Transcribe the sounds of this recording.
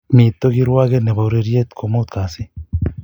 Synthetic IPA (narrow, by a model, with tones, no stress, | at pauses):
mi˨t̪o˦ɣi˦ɾwa˦ɣe˦ne˨βa˨wɾe˧ɾje˦t̪kʰo˨mo˦t̪ka˨si˦